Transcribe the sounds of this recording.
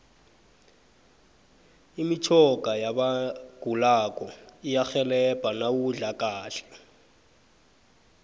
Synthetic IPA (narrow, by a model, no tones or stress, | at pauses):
imit͡ʃʰɔkʼajabaɡ̥ʱulakʼɔijaxɛlɛb̥ʼʱanawuɮakaːɬɛ̥